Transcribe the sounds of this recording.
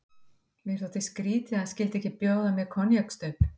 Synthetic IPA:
mɪɛɾ̥θɔht̪ɪskɾiːt̪ɪaðscɪːlt̪ɛhcɪpjoːwðamjɛkʰɔnjœkst̪œp

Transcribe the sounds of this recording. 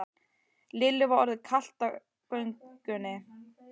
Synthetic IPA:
lɪlːɪvaɔɾðɪkʰal̥t̪a | kœɥŋkʏnːɪ

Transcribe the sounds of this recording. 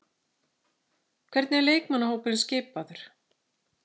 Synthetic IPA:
kʰvɛɾt̪nɛɾleːjkmanːahoːwpɪɾɪnscɪːpaðʏɾ̥

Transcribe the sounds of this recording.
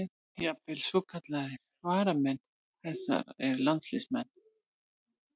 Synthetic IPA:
japɪlsvɔkʰat̪laðɪ | vaːɾamɛn | θɛsa̰ɾɛɾlant̪slɪsmɛnː

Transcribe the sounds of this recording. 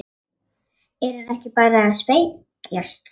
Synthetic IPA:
ɛɾhanɛhcɪpaːɾaːðspej | jast̪

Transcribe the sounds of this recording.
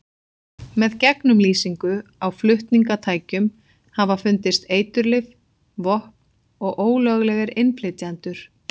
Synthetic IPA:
mɛðcɛknʏmliːsiŋkʏawflʏht̪niŋkat̪ʰaːjcʏm | havafʏnt̪ɪst̪eːjt̪ʏɾlɪv | vɔhpn | ɔɣʔoːwlœɣlɛɣɪɾɪnpʰlɪt̪jant̪ʏɾ̥

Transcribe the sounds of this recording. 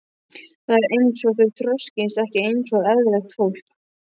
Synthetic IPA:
θaðɛɾejnsɔɣtʏlt̪ʰɾɔscɪnsɛhcɪejnsɔɣɛðlɛxt̪fowl̥k

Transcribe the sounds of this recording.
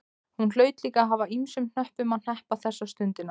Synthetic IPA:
hunl̥œːɥt̪liːkaɦavaimsʏmn̥œhpʏmaðn̥ɛhpaθɛsːast̪ʏnt̪ɪnːa

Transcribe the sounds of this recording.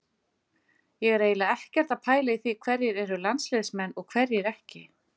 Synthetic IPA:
jɛɣɛɾeːjlaɛhcɛɾ̥t̪aðpʰaːjlaiθikʰvɛɾjɪɾɛɾʏlansleðsmɛnːɔɣkʰv̥ɛɾjɪɾɛhcɪ

